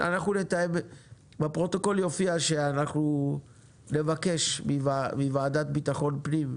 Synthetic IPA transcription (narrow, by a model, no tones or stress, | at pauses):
ʔa̰naχnune̞t̪ajem | bapʁo̞t̪o̞ko̞ljo̞fiaʃe̞anaχnu | ne̞vake̞ʃmivamivaːd̪at̪bit̪aχo̞npnim